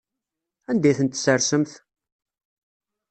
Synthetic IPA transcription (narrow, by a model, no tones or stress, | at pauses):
ænd̪æjθənt̪ːsəɾsəmθ